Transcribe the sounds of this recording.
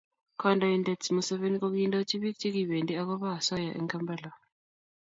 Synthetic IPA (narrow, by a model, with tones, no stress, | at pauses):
kʰɔ˦ndʱa˨i˨ndɛ˨tsmu˨sɛ˦βe˦nik̬o˦k̬uji˦ndʼɔ˦t͡ʃʰʼi˦βi˦kt͡ʃʰʼi˦k̬i˨βe˨ndʼi˦a˦k̬ɔ˦βa˦a˨sa˦ja˨ʔɛ̰ŋkʰa˦mbʱɛ˦la˨